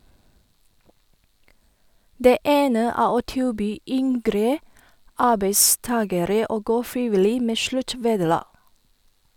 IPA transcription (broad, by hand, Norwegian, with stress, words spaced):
ˈdeː ˈeːnə ˈæː ˈoː ˈtɪlˌbyː ˈʏŋɡɾə ˈɑːbeɪˌstɑːɡəɾə ˈoː ˈɡoː ˈfɹɪʋɪˌliː ˈmeː ˈʃlʉˌʈʋeːdəˌlɑː